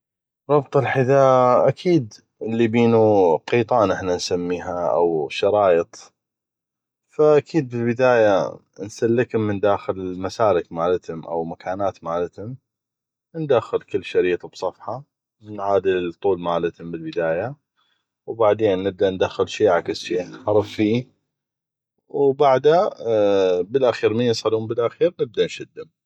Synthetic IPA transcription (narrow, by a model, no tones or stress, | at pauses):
ɾˤɑbt̪ˤɨlħɪd̪aːʔakʰiːd̪ | ɪlːibiːnuqiːt̪ˤɑːnʔɪħnansamːiːɦaʔa̰wʃɑɾˤɑːjət̪ˤ | faʔakʰiːd̪̚bɪlbɪd̪aːja | nsalːɪkʊmːɪnd̪aːxɪlmasaːɾɪkmaːlɪt̪hʊmʔa̰wmakʰaːnaːt̪maːlɪt̪hʊm | nd̪axːɪlkɪlːʃaɾiːt̪ˤɑbsˤɑfħɑ | mɪnʕaːd̪ɪlt̪ˤuːlmaːlɪt̪hʊmbɪlbɪd̪aːja | wbaʕd̪eːnːɪb̚d̪aʔnd̪axːɪlʃiːʕakɪsʃiːnħɑɾˤɨfːiː | wbaʕd̪a | bɪlʔaxiːɾminsˤɑluːmbəlʔaxiːɾnɪb̚d̪anʃɪd̪ːʊm